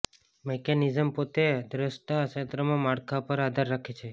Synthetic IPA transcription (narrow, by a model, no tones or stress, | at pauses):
mekenizəmpot̪ed̪ɾəʃʈ̪aʃet̪ɾəmãmaɽkʰapəɾad̪ʱəɾːakʰet͡ʃʰe